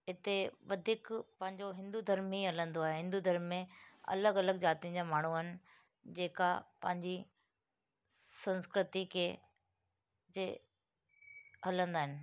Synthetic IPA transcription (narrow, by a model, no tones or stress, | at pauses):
ɪt̪eʋɐd̪ʱɪkpɐ̃ɦɪ̃ɲd͡ʑoɦɪ̃nd̪ud̪ʱəɾmiɦɐlə̃nd̪oaːɦeɦɪ̃nd̪ud̪ʱəɾmːẽɐ̰ləɡɐləɡd͡ʑaːt̪ijə̃d͡ʑaːmaːɳ̤uɪnɪ̆ | d͡ʑeːkapɐ̰̃ɦɪ̃ɲd͡ʑi | sɐ̃nskɾɪt̪ikʰe | d͡ʑe | ɦɐlə̃nd̪aːɦɪnɪ̆